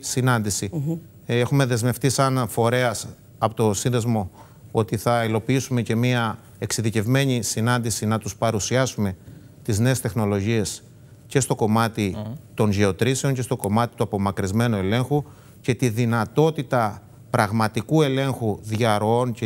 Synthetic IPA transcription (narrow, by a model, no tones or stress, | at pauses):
sinɐnd̪isi | e̞xume̞ðe̞zme̞ft̪isɐnfo̞ɾe̞ɐs | ɐpot̪osinðe̞zmo̞ | o̞t̪iθɐilo̞piisume̞ce̞miɐ | e̞ksiðice̞vme̞ɲisinɐnd̪isinɐt̪uspɐɾusiɐsume̞ | t̪izne̞ːst̪e̞xno̞lo̞ʝie̞s | ce̞st̪o̞ko̞mɐt̪it̪o̞nʝe̞o̞t̪ɾise̞o̞ɲce̞st̪o̞ko̞mɐt̪i̥t̪uɐpo̞mɐkɾizme̞nue̞le̞ŋxu | ce̞t̪iðinɐt̪o̞t̪it̪ɐ | pɾɐɣmɐt̪ikue̞le̞ŋxuðʝɐɾoonc